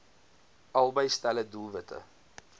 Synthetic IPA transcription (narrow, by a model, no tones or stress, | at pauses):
ɐlˠbəjstælədulˠvətʰə̰